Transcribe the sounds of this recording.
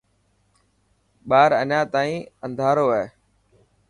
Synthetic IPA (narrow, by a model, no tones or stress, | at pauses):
ɓaːɾəɲãːt̪aːĩːənd̪ʱaːɾoːɛː